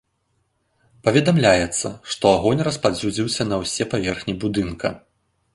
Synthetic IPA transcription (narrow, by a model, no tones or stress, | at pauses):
pɐvʲɛd̪amlʲajɛt̪sːɐʂt̪ɔaɣɔnʲrɐspad͡zʲud͡zʲiwsʲɐnɐwsʲɛpavʲɛrxnʲibud̪ɨnkʰɐ̰